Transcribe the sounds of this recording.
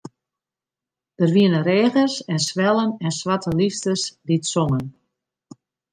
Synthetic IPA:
d̥ərʋiənəɾeːɣərsɛnsʋɛlˠənɛnsʋatəlistəsditsɔŋən

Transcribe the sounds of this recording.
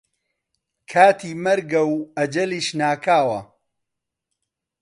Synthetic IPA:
kʰaːt̪ʰiːmɐɾɡɐwɐd͡ʒɐliːʃnaːkʰaːwɐ̰

